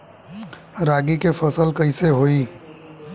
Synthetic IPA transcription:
ɾaːɡikefɐsəlkɐɪseɦoːiː

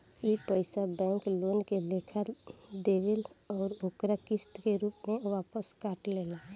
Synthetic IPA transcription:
iːpəɪsabɛ̃ːŋkloːnkeleːkʰəd̪eːʋelɔːɾokɾakɪst̪keɾuːpmẽʋaːpəskaːʈleːla

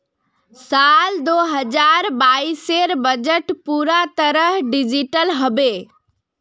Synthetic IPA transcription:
sald̪oɦəd͡ʒaɾbaːiseɾbəd͡ʒəʈpuːɾat̪əɾəɦɖid͡ʒiʈəlɦəbe

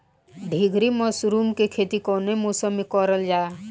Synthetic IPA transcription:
ɖʱiɡʱɾimɔsɾuːmkekʰet̪ikɔnemosəmikɔɾəld͡ʒaː

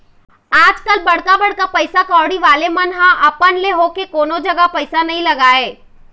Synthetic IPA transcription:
aːd͡ʒkəlbɐɽkabɐɽkapɐɪsakaːɽiʋaːlemɐnɦãʔɐpənleɦoːkekoːnod͡ʒɐɡapɐɪsanɐɦĩlɐɡaːeː

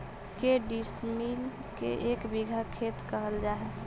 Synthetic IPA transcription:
keɖismil | kḛʔekbiɡʱakʰet̪kəɦəld͡ʒaɦɛ

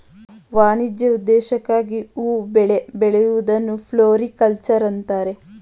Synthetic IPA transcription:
ʋaːɳid͡ʒjɐud̪ːɛːʃɐkːaːɡiuːbɛɭe̞beɭejuʋud̪ɐnːupʰloːɾikɐlt͡ʃɐɾɐnt̪aːɾe̞

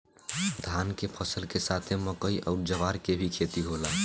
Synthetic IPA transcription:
d̪ʱankepʰəsəlkesat̪ʰeməkəiʔəʊɾd͡ʒəʋaɾkebʱikʰet̪iɦola

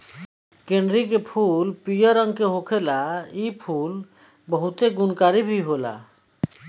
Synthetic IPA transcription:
keɳɖɾikepʰulpijəɾəŋɡkeɦokʰelaipʰul | bəɦut̪eɡunkaɾibʱiɦola̰

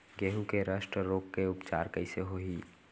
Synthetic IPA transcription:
ɡeːɦũkeɾaːʃʈɾəɾoːkkeʊpt͡ʃa̰ːɾkəɪseɦoɦiː

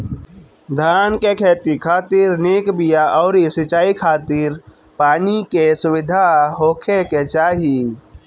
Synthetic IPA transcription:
d̪ʱaːnkekʰeːt̪ikʰaːt̪iːɾneːkbijaʔɔːɾisɪt͡ʃaːikʰaːt̪iɾ | paːnikesʊwɪd̪ʱaɦoːkʰeket͡ʃaːɦi

